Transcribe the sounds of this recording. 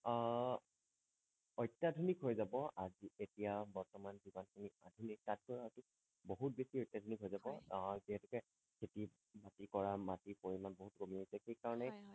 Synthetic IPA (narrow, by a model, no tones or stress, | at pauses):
ɔjtːadʱunikɦojzabɔʔazietijabɔɹtɔmanzibanxuniadʱunik̚tat̚kɔjɦɔjtʊ | boɦut̚besiɔjtːadʱunikɦojzabɔziɦɛtʊkɛ | kʰeti | batikɔɹamatipoɹimanboɦutkomiɔsɛxejkaɹɔnɛ